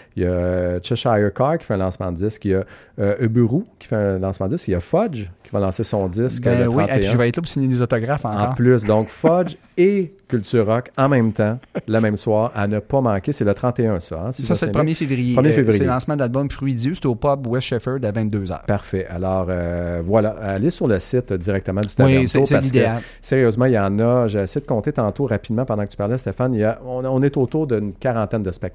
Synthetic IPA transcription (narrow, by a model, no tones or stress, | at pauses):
jɑt͡ʃɛʃajəkɑkʲi̥fɛɛ̃lɑ̃smãd̪əd͡zɪskjaøbyʁukʲi̥fɛ̃lɑ̃smãd̪əd͡zɪskjafɔd͡ʒkʲʰivalɑ̃sesɔ̃d͡z̪ɪskɛəwĩtɛ̃eĩʒəvaɛt̪lɔp̬u̥siɲed̪ezɔt̪ɔɡʁafɑ̃ːkɑ̃ɔːplys̬d̪ɔ̃kfɔd͡ʒ | ekʲylt̪yːʁːɔkɑ̃mɛ̃mt̪ãlamɛ̃mswɑːʁanəpɔmɑ̃kʲesɛlət̪ʁɑ̃t̪eœ̃sɔ̰ãsessepʁmjefevʁijeʁəmjefevʁijlɑ̃smãd̪əlalbɔmfʁɥid͡zjøse̥t̪ɛopɔbwɛʃɛfœ˞d̪avɛ̃t̪̚d̪øzœ̰ːpaʁfɛʔa̰lɔːʁøvwalaalesyʁləsɪt̪d̪iʁɛk̚t̪əmãd̪yt̪iɛ̃sospaʁlid̪eal | seʁjøːzmãilɑ̃ːnʌʒeɛsɛjd̪əkɔ̃t̪et̪ɑ̃t̪oʁapid̪mãpɑ̃d̪ãkə̥t͡sypaʁlɛast̪efanijaɔ̃ɔ̃nɛt̪ot̪uʁd̪əynkʲaʁɑ̃t̪ɛnd̪əspɛk̚t̪